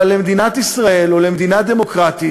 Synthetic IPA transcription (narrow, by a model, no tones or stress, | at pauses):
lemed̪inat̪isʁae̞lole̞med̪inad̪e̞mo̞kʁat̪i